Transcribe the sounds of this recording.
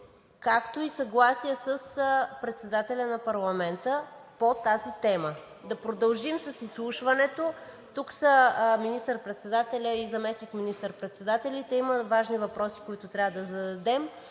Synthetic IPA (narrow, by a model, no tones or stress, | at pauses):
kakt̪oisɐɡlˠasijəsəspɾɛt̪sɛd̪at̪ɛlʲənɐpɐɾlˠɐmɛnt̪əpot̪azit̪ɛmə | d̪ɐpɾod̪ɐlˠʒimsɐsislˠuʃvɐnɛt̪o | t̪uksəminist̪əɾpɾɛt̪sɛd̪at̪ɛlʲəizɐmɛsnikminist̪əɾpɾɛt̪sɛd̪at̪ɛlʲit̪ɛiməvaʒnivɐpɾɔsi̥koit̪ʊt̪ɾʲavəd̪ɐzɐd̪ɐd̪ɛm